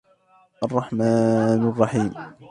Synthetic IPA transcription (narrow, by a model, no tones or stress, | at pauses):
ʔɑrˤːɑħmaːnʔɑrˤːɑħiːm